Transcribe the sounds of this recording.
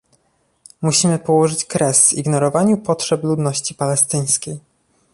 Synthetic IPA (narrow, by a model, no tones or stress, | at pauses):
muɕimɘpɔwɔʐɘt͡ɕkɾɛsvḭɡnɔɾɔvaɲupɔtʂɛplud̪nɔɕt͡ɕipalɛst̪ɘj̃skʲej